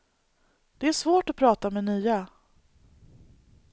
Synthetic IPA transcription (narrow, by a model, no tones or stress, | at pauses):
d̪̥ɛæʂvoːʈɔpʰɾɑːt̪amɛnyːa